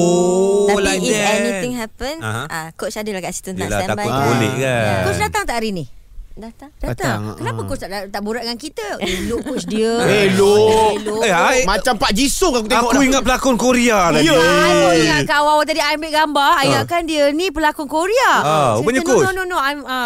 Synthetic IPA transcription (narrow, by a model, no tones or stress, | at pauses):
laɛnit̪ɪ̃ŋɦɛpənɦãakot͡ʃadəlakasi̥t̪unala̰akʊbolɛ̰ʔkakʊt͡ʃdat̪aŋt̪aʔɾini | dat̪aŋdaat̪akənapəkʊt͡ʃt̪aʔt̪aʔbuɾaʔ̚ŋankit̪əlokʊt͡ʃdiəeloloeajmãt͡ʃampaʔd͡ʒisokakut̪eŋɔkuiŋat̪̚pəlakɔnkoɾialaəaiŋkaawawat̪adiajmbeʔɡambaajakandiənipəlakʊnkoɾiaaubəɲankoononõajma